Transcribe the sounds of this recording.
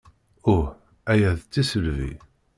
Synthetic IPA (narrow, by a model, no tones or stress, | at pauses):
ʊħ | æjæðt͡sːisəlvḭ